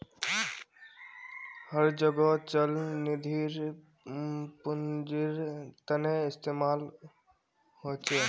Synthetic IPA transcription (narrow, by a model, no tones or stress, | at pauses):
həɾd͡ʒəɡɔt͡ʃəlnɪd̪ʱiɾ | pʊnd͡ʒiɾt̪əneɪst̪eːmaːl | hot͡ʃeː